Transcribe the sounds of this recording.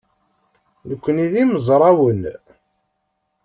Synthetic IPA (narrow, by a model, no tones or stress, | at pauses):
nəkʷːəniðiməzˤɾˤɑwən